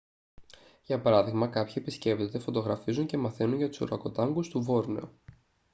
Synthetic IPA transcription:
ʝɐpɐɾɐðiɣmɐkɐpçie̞pisce̞pt̪ot̪e̞fo̞t̪o̞ɣɾɐfizuɲce̞mɐθe̞nunʝɐt̪u̥soɾɐko̞t̪ɐŋɡust̪uvo̞ɾne̞̰o

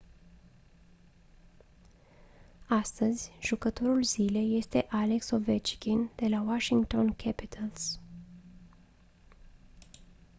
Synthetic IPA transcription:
ast̪əzʲʒ̥ukət̪o̞ɾulzile̞jːe̞st̪e̞ʔale̞kso̞vet͡ʃkʲind̪̥e̞lawaʃiŋɡt̪o̞nkʰʲɛpit̪ʰəls

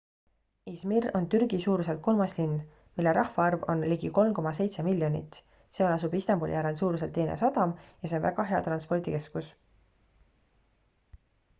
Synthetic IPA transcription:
ismiro̞nt̪yrɡisuːɾuse̞lt̪̚ko̞lmɑslinː | milːe̞ɾʔɑhfɑɑrvo̞nliɡ̥iko̞lmko̞mɑs̬e̞jt̪semilʲːjonḭt̪ːˑ | seɑlɑsubist̪embulḭjæɾensuːɾus̬elt̪ːenḛsɑd̪̥ɑmjɑseonvæ̰ɡɑɦe̞ɑt̪rɑnspo̞rt̪ike̞skus

